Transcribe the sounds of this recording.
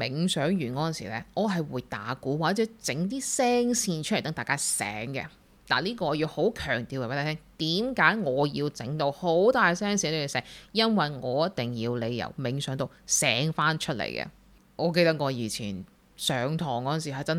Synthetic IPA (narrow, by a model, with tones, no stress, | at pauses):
mɪ˨ŋsœː˨˥ŋjyː˨˩nkɔː˨˥ɐ˨nsḭ˨˩lɛː˧ʔɔː˨˧ɦɐ˨jwuː˨˧jt̪aː˨˥kuː˨˥waː˨˩˥t͡sɛː˨˥t͡sɪ˨˥ŋt̪iː˥sɛː˥ŋsiː˧nt͡ʃʰlt̪ɐ˨˥ŋt̪aː˨jkaː˥sɛ̰ː˨˥ŋɡɛ̰˧ | t̪a̰ː˨˩liː˥kɔː˧ɔː˧jiː˧who˨˥wkʰœː˨˩ŋt̪iː˨waː˨˩e˦˥t̪ʰa˧˥t̪ʰɛː˥ŋt̪iː˨˥mkaː˨˥jŋɔː˨˧jiː˧wt͡sɪ˨˥ŋt̪o˧who˨˥wt̪aː˨jsɛː˥ŋsi˨˥t̪o˧˩˨sɛː˧˩kjɐ˥nwɐ˨jŋɔː˨˧jɐ˥t̪̚ɪ˨˩ŋjiː˧wle˨˧jjɐ̰˨˩wmɪ˨˥ŋsœː˨˥ŋt̪o˨wsɛː˨˥ŋfaː˥nt͡ʃʰɵ˥t̚lḛ˨˩jkɛ̰˧ | ŋʔɔː˨˧k̬e˧jt̪ɐ˥k̚ŋɔː˨˧jiː˨˩t͡sʰiː˨˩n | sœː˨˧ŋt̪ʰɔː˨˩ŋkɔː˨˧˥nsiː˨˩ɦɐ˨jt͡sɐ˥n